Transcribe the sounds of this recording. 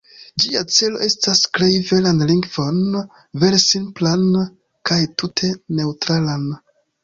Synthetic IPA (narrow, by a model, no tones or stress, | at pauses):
d͡ʒiat͡se̞lo̞̰ʔe̞staskle̞jve̞lanliŋɡvo̞n | ve̞ɾsimplan | kajtutʰe̞ne̞utɾalan